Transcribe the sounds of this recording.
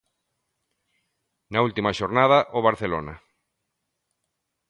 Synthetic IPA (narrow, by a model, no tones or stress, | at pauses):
nault̪imaʃoɾnaðaʔoβaɾθelo̰na